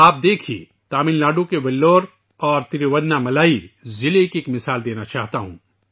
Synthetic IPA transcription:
aːp̚d̪eːkʰḭ | t̪aːmɪnlaːɖũkeʋɛlːoːɾ | ɔːɾt̪ɪɾiʋɐdnamɐlaːizɪlekeːkmɪsaːld̪eːnat͡ʃaːɦt̪aɦṵ̃ː

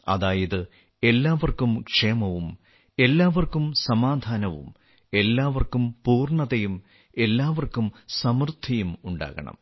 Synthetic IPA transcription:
ɐ̰ðaːjɐðɨ | e̞lːaːʋɐrkumkʂeːmɐʋum | e̞lːaːʋɐrkumsɐmaːd̪ʱaːnɐʋṵm | e̞lːaːʋɐrkumpuːrɳɐðɐjum | e̞lːaːʋɐrkumsɐmrt̪ʰːɐjumuɳɖa̰ːɣɐ̰ɳɐ̰m

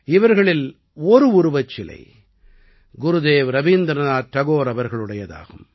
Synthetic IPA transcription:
ɪʋɐɾɣɐɭɪl | ɔɾɯʊɾɯʋɐt͡ʃːɪlɐ̰ɪ | ɡʊɾɯðeːʋɾɐʋiːnd̪ɾɐnaːt̪ɐɣoːɾɐʋɐɾɣɐɭɯɽɐjɐða̰ːɣɯm

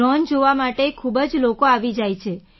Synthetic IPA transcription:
ɔnd͡ʒoʋamaʈekʰubəd͡ʒlokoaʋid͡ʒajt͡ʃʰe

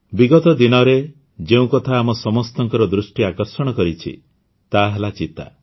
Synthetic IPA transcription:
biɡɔt̪ɔd̪inɔɾe | d͡ʒeũkɔt̪ʰaːmɔsɔmɔst̪ɔŋkɔɾɔd̪ɾusʈiakɔɾsɔɽ̃ɔkɔɾit͡ʃʰḭ | t̪aɦelat͡ʃit̪a̰

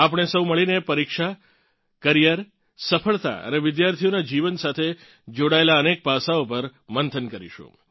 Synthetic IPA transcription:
apɽ̃esəwməɭinepəɾikʃa | kəɾijəɾ | səfəɭt̪a̰ə̰neʋɪd̪jaɾt̪ʰijonad͡ʒiʋənsat̪ʰe | d͡ʒoɽaelaənek̚pasaopəɾmənt̪ʰənkəɾḭʃṵ̃

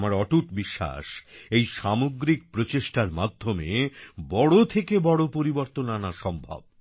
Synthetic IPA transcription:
maɾɔʈuʈ̪biʃːa̰ʃejʃamoɡɾik̚pɾot͡ɕeʃʈaɾmad̪ʱːomebɔɽot̪ʰekebɔɽopoɾiboɾt̪onanaʃɔmbʱa̰b̚

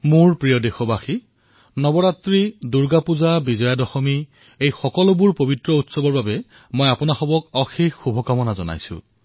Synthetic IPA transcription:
muɹpɹijɔdexɔbaxi | nɔbɔɹatɹiduɹɡapuzabizɔjadɔxɔmi | ejxɔkɔlʊbuɹpobitɹɔutsɔbɔɹbabɛ | mojapʊnaxɔbɔkɔxikːubʱɔkamɔnazɔ̰na̰jsʊ̰̃

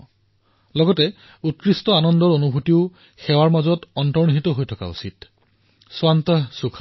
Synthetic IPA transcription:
lɔɡɔtɛ | ut̚kɹistɔanɔndɔɹonubʱutiʊ | xɛwaɹmazɔtɔntɔɹniɦitɔɦojtʰɔka̰ṵsit | swantəsukʰa

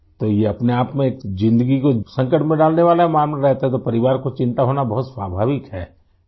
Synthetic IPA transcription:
t̪oːjeɐpneaːpmẽːkd͡ʒɪ̃nd̪əɡikosɐ̃ŋkəʈmẽɖaːlneʋaːlamaːmlaɾɛɦt̪aɦɛt̪opɐɾɪʋaːɾkot͡ʃɪ̃nt̪aɦoːnabɐɦʊt̪swaːbʱaːʋɪkɦɛː

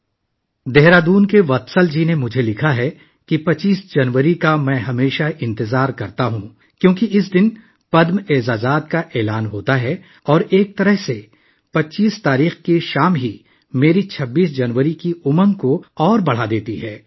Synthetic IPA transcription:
d̪ɛɦɾaːd̪uːnkeʋɐt̪səld͡ʒinemʊd͡ʒʱelɪkʰaɦɛ | kipɐt͡ʃːiːsd͡ʒɐnʋəɾikamɛ̃ːɦɐmeːʃaɪ̃nt̪ɪzaːɾkɐɾt̪aɦũ | kjõːkiɪs̬d̪ɪn | pɐd̪meːzaːzaːt̪̚kaʔeːlaːnɦoːt̪aɦɛ | ɔːɾeːk̚t̪ɐɾəɦse | pɐʃiːst̪aːɾiːxkeʃaːmɦi | meːɾit͡ʃʰɐbːiːs̬d͡ʒɐnʋəɾikiʊməŋkoɔːɾbɐɽ̤ad̪eːt̪iɦɛː

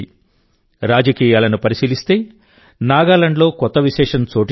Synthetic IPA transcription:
i | ɾaːd͡ʒɐkiːjaːlɐnupɐɾisiːlist̪e̞ː | naːɡaːlɐɳɖlo̞ːkɔt̪ːɐʋiʃɛːʂɐnt͡ʃoːʈ

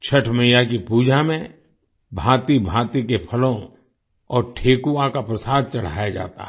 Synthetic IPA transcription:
t͡ʃʰɐʈʰməjakipuːd͡ʒʱamẽ | bʱãːt̪ibʱãːt̪ikepʰɐlõ | ɔːɾʈʰeːkuãkapɾəsaːd̪̚t͡ʃɐɽ̤a̰ːjad͡ʒa̰ːt̪a̰

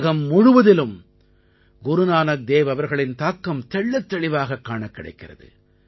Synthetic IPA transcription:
ɣɐmːʊɻʊʋɐðɪlɯm | ɡʊɾʊnaːnɐk̚d̪eːʋɐʋɐɾɣɐɭɪnt̪aːkːɐmt̪ɛɭːɐt̪ːɐɭɪʋaːɣɐkːaːɳɐkːɪɽɐ̰ɪkːɪrɐ̰ðɯ̰

